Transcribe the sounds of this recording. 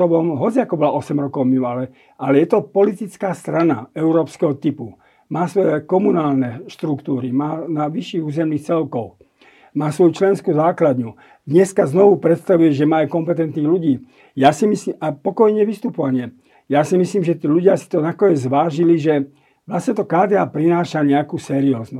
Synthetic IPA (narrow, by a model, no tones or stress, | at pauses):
ɔbɔmɦɔt͡siakɔbɔlaʔɔsɛmɾɔkɔʊmiualɛ | alɛjɛt̪ɔpɔlit̪it͡skaːst̪ɾana̰ɛʊɾɔːpskɛɦɔt̪ipu | maːsʋɔjɛkɔmunaːlnɛʃt̪ɾukt̪uːɾimaːnaʋiʃiːɣuːzɛmniːxt͡sɛlkɔʊ | maːsʋɔjut͡ʃlɛnskuːzaːklad̪ɲu | d̪ɲɛskaznɔʋupɾɛt̪st̪aʋujɛʒɛmaːɛkɔmpɛt̪ɛnt̪niːɣluɟiː | jaːsimisliːmapɔkɔjɲɛʋist̪upɔʋaɲɪɛ | jasimisliːmʒɛt̪iːluɟɪasi̥t̪ɔnakɔɲɛzʋaːʒiliʒɛ | ʋlastɲɛt̪ɔkaːd̪iapɾinaːʃaɲɛakuːsɛɾiɔːznu